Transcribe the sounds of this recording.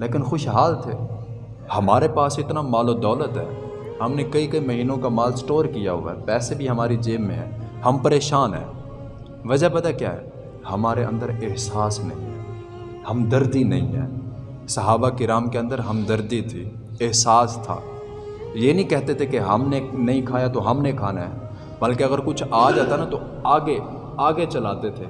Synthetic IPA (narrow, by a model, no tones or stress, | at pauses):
leːkɪnxʊʃɦaːlt̪ʰeː | hɐmaːɾepaːsɪt̪namaːlod̪ɔːlət̪ɦɛ̰ː | ɦɐmnekɐikɐimɐɦiːnõkamaːlsʈoːɾkijaɦʊ̰ʋa̰ɦɛpɛːsebʱiɦɐmaːɾid͡ʒeːmːḛ̃ɦɛ̰ːhɐmpəɾeːʃaːnɦɛ̰ː | ʋɐd͡ʒabɐd̪akja̰ːɦɛ̰ː | hɐmaːɾeʔə̃nd̪əɾɪɦsaːsnɐ̰ɦḭ̃ɦɛː | hɐmd̪ɐɾd̪inɐɦḭ̃ɦɛ̰ː | sɐɦaːbakɪɾaːmkeə̃nd̪əɾɦɐmd̪ɐɾd̪it̪ʰiː | ɪɦsaːst̪ʰa̰ː | jeːnəĩkɛɦt̪et̪ʰekeɦɐmnenɐɦĩkʰaːjat̪oɦɐmnekʰaːnaɦɛ | bɐlkeɐɣəɾkʊt͡ʃʰaːd͡ʒaːt̪anat̪o | aːɡe | aːɡet͡ʃɐlaːt̪et̪ʰeː